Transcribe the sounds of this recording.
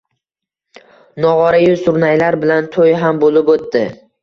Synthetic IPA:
nɒʁɒɾajʊsʊɾnajlaɾbɪlant̪ʰojɦambolɪpot̪ːɪ

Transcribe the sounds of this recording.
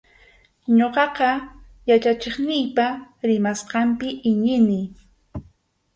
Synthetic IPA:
ɲoqɑqɑ | jat͡ʃat͡ʃeχnɪjpaɾɪmasqɑmpɪʔɪɲɪnɪ

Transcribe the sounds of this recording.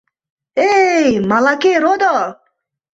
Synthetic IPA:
ejmalakeɾod̪ɔ

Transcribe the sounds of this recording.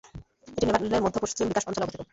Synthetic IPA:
eʈinebaleɾmod̪ʱːopɾoʃt͡ɕ̪iebikaʃpɔnt͡ɕalopot̪iko

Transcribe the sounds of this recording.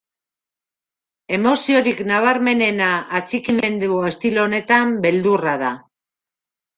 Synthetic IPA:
e̞mo̞sio̞ɾiknaβ̞aɾme̞ne̞naːt͡sikime̞nd̪uoe̞st̪ilone̞t̪ambe̞ld̪uraða

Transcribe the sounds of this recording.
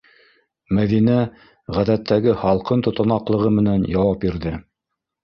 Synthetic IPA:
mæðinæ | ʁæðæt̪ʰːæɡɘhɑlˠqɤnt̪ŏt̪ɑ̆nɑqlˠɤ̆ʁɤmɘ̆nænjɑwɑp̚biɾðɘ

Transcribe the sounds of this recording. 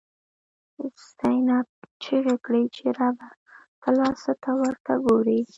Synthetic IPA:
st̪ajnɑbt͡ʃiɣakɽəjt͡ʃeɾɑba | kalɑsat̪awəɾt̪aɡoɾi

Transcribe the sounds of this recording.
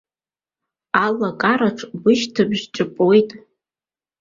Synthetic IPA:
alakʼaɾaʈ͡ʂʰʼbʊʃtʰɨbʒᶣt͡ʃʼɨpʼojtʼ

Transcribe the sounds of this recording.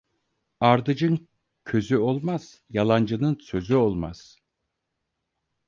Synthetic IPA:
aɾd̪ɯd͡ʒɯn | cʰø̞zyo̞lˠmaz̥ | jalˠand͡ʒɯnɯnsø̞zyo̞lˠma̰z̥

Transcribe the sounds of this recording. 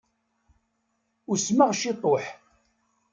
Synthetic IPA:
ʊɾsmaʁʃɪt̪ˤoħ

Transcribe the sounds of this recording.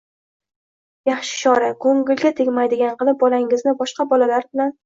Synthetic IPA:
jaχʃɪ̥ʃɒɾakʰoŋɡʲɪlɡʲat̪ʰɪŋʲmajd̪ɪɡʲanqɨlˠɪp̚bɒlaɪŋɪznɪbɒʃqɑbɒlalaɾbɪlan

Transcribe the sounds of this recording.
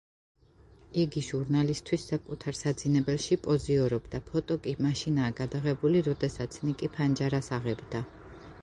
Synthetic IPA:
iɡiʒuɾnalist̪ʰwisːakʼut̪ʰaɾsad̪zinɛbɛlʃipʼɔziɔɾɔbd̪apʰɔt̪ʼɔkʼimaʃinaːɡad̪aʁɛbuliɾɔd̪ɛsat̪sʰnikʼipʰand͡ʒaɾasaʁɛbd̪a

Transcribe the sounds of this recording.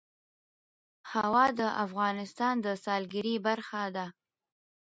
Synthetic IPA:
hawɑd̪əʔafɣɑnɪst̪ɑnd̪əsɑlɡɪɾibaɾxad̪a

